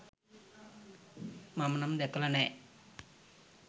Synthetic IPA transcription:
mɐmɐnɐmd̪ekːɐlɐne

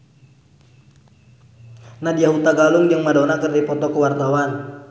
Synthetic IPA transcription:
nadiaɦut̪aɡaluŋd͡ʒɨŋmadɔnakɨrdipɔt̪ɔkəwart̪awan

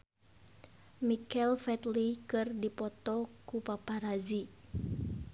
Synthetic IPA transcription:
mikɛlfɛt̪likɨrdipɔt̪ɔkupapaɾazi

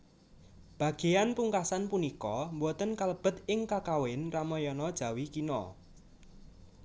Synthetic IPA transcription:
b̥ä̤ɡ̥e̤janpuŋkasanpunikɔmbɔt̪ənkaləb̥ə̤t̪̚ɪŋkakawɪnramɔjɔnɔd̥ʒ̥ä̤wikinɔ̰

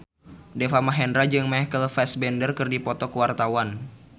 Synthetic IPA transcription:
defamaɦɛndɾad͡ʒɨŋmɛkəlfɛsbɛndərkɨrdipɔt̪ɔkəwart̪awan

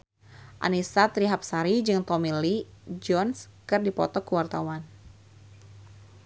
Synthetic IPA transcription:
ʔa̰nisat̪ɾiɦap̚saɾid͡ʒɨŋt̪ɔmilid͡ʒɔnskɨrdipɔ̰t̪ɔkuwart̪awan

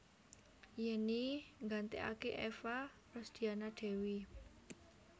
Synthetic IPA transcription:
jəniŋɡant̪ḛʔa̰keʔɛfa | rəsd̪̥i̤anaɖ̪̥e̤wi

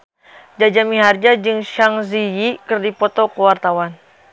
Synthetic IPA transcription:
d͡ʒad͡ʒamiɦard͡ʒad͡ʒɨŋʃaŋzijikɨrdipɔt̪ɔkəwart̪awan

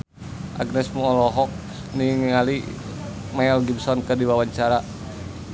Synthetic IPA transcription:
ʔa̰ɡ̚nɛsmuɔlɔɦɔk̚ | niŋŋali | maɛlɡimsɔnkədiwawaɲt͡ʃaɾa

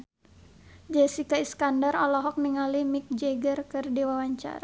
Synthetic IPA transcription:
d͡ʒɛsikaiskandaɾɔlɔɦɔk̚niŋalimik̚d͡ʒɛɡərkɨrdiwawaɲt͡ʃa̰ɾa

